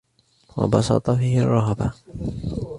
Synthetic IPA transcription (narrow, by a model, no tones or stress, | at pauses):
wɑ̰bɑsɑ̰t̪ˤɑfiːhɪrˤːɑɦaba